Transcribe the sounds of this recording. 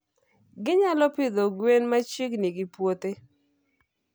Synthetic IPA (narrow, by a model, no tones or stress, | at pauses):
ɡɪɲalɔpɪd̪oɡwenmat͡ʃiknɪɡɪpwot̪e